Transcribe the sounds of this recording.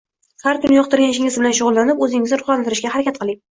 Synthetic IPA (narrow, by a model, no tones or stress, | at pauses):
haɾkʰʊnɪjɒqt̪ɪɾɡʲanɪʃɪŋʲɪzbɪlanʃʊʁʊlˠːanɪpɵzɪŋʲɪznɪɾʊχlˠant̪ɪɾɪʃkʲahaɾakʲat̪̚qɨlˠɪŋ